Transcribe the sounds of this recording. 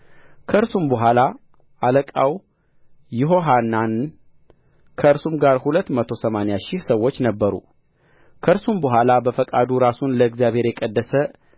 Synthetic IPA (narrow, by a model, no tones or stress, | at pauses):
kʰəɨɾsumbəɦʷwʷala | ʔaləkʼaw | jɪɦo̞ɦanːan | kʰəɨɾsumɡaɾhulət̪ːmət̪ʰo̞səmanejaʃɪhsəwːot͡ʃːnəbːəɾṵ | kʰəɨɾsumbəɦʷwalabəfəkʼad̪uɾasunləːɡzjaβhe̞ɾjɛkʼəd̪ːəsə